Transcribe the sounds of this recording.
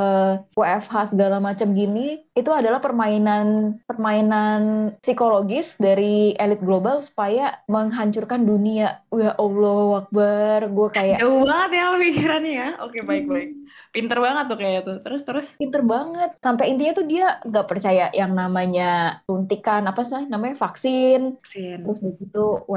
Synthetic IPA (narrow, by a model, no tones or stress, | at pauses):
əwaɛfɦasəɡalamat͡ʃamɡiniit̪uadalahpərmainanpərmainansikoloɡɪsdaɾielɪt̪̚ɡlobalsu̥pajaməŋɦaɲt͡ʃurkanduniaujaʔolowak̚barɡuakajaʔbaŋət̪jaləfikiɾanjaokebaɪk̚baɪk̚ | pint̪ərbaŋət̪ːukajat̪ut̪əɾʊst̪əɾʊspint̪ərbaŋət̪̚sampaint̪iɲat̪udiaŋɡaʔpərt͡ʃajaʔjaŋnamaɲat̪unt̪ikanapasanamaɲafaksɪnəɾʊsɡət̪it̪uw